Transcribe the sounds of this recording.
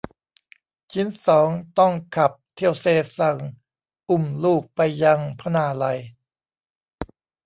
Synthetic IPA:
t͡ɕʰi˦˥nsɔː˩˦ŋt̪ɔ˥˩ŋkʰa˨˩p̚t̪ʰi˥˩əwseː˧˩sa˨˩ŋ | ʔu˨˩mluː˥˩k̚pa˧jːa˧ŋpʰa˦˧naː˧la˧j

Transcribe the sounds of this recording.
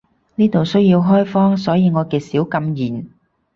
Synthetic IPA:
niː˥t̪o˨wsɵ˥ɥjiː˧wɦɔː˥jfɔː˥ŋsɔː˨˥jiː˨˧ŋɔː˨˧kɛː˧siː˨˥wkɐ˧mjiː˨˩n

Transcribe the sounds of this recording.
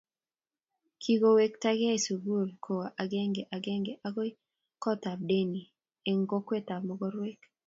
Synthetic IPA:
kʰi˦ɡo˦we˦k̚ta˦ɡa˦e˨su˨ɡu˦˨lkʰo˨wa˨ʔa˨ɡɛ˦ŋɡe˨ʔa˨ɡɛ˦ŋɡe˨ʔa˦ɡo˦i˦ | kɔ˦ta˨b̚de˦ni˨ | e˨ŋɡo˦kwe˦ta˨mɔ˨ɡɔ˦ɾwe˦k

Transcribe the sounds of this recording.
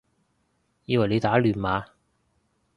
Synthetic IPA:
jiː˥˧wa˨jle˨˧jt̪aː˨˥lyː˨˩nmaː˨˧˥

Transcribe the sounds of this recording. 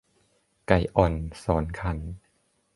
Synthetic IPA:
ka˨˩jʔɔ˨˩nsɔː˩˦nkʰa˧˩n

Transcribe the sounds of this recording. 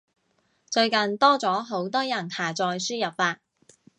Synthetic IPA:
t͡ʃɵ˧ɥkɐ˨nt̪ɔː˥t͡sɔː˨˥ɦo˨˥wt̪ɔː˥jɐ˨˩nhaː˨˩t͡sɔː˧jsyː˥jɐ˨p̚faː˧t̚

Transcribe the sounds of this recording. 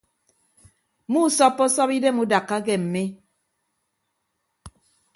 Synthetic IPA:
mu˦sɔ˦pːɔ˦sɔ˦pi˦de˦mu˦da˨kːa˦kɛ˨m̩˨me˦

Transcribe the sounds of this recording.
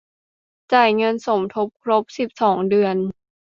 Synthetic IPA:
t͡ɕa˨˩jŋɤ˧nso˩˦mt̪ʰo˦˥p̚kʰɾo˦˥p̚si˨˩p̚sɔː˩˦ŋdɯ˧ən

